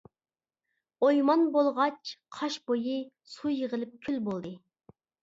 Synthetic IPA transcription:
ojmɑnbolˠʁɑt͡ʃʰqʰɑʃbojɨ | sujəʁəlˠɪp̚kʲʰylbolˠd̪ɨ

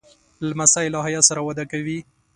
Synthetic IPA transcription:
lamasaɪlɑɦajasaɾawad̪akawi

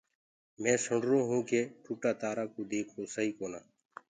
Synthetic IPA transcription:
mɛ̃ːsʊɳɾoːɦũːkeːʈʰuːʈaːt̪aːɾaːkoːd̪eːkʰoːsəɦiːkoːnaː

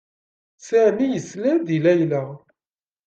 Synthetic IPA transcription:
sæʕmijəslænd̪ilæjləʁ

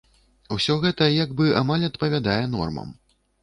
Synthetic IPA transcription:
wsʲɔɣɛt̪ɐjaɡbɨa̰malʲɐt̪pɐvʲad̪ajɛnɔ̰rmɐ̰m

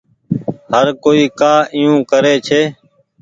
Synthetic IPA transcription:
həɾkoːiːkaːʔijũːkəɾeːt͡ʃʰeː

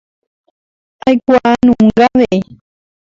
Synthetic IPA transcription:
ajkʷaʔnũŋɡaβeʔe

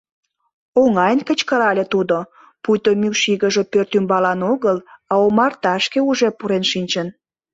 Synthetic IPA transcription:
oŋɑjənkət͡ɕkəɾɑlʲet̪ud̪o | pujt̪omywʃiɣəʒepørt̪ymbɑlɑnoɣəlɑomɑrt̪ɑʃkeuʒepuɾenʃinʲt͡ɕən

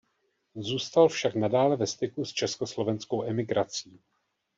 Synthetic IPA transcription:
zuːst̪alfʃaknadaːlɛvɛst̪ɪkust͡ʃɛsko̞slo̞vɛnsko̞wʔɛmɪɡɾat͡siː

